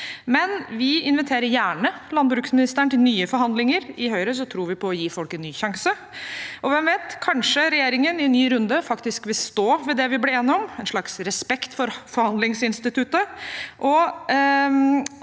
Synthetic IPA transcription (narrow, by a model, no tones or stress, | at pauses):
mɛnʋɪɪnʋɪt̪ʰeːɾəɾjæːɳəlɑnbɾʉːksmɪnɪst̪əɳt̪ɪlnyːəfɔɾɦɑnd̪lɪŋəɾɪɦœʏɾəs̬ɔt̪ʰɾuːɾʋɪpʰɔːjiːfɔlkɛnːyːçɑŋsə | ʔɔʋɛmʋeːt̪kʰɑnʂəɾɛjeːɾɪŋənɪnːyːɾʉnd̪əfɑkt̪ɪskʋɪlst̪oːʋɛd̪ɛʋɪblɪeːnɪɔmɛnʂɭɑksɾɛspɛkt̪fɔɾfɔɾhɑnd̪lɪŋsɪnst̪ɪt̪ʰʉt̪əʔɔ